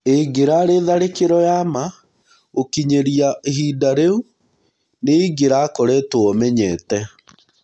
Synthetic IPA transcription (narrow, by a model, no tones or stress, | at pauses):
eiɡeɾaɾeːðaɾekeɾɔjama | okiɲeɾiahiːdaɾeu | neiɡeɾakoɾetoɔmɛɲɛːtɛ